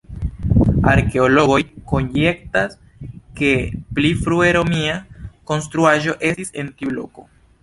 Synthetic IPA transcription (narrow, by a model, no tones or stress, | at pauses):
a̰ɾke̞olo̞ɣo̞jko̞nje̞ktas | ke̞plifɾue̞ɾo̞miakonst̪ɾuaʒo̞ʔe̞sise̞ntiblo̞̰ko̞̰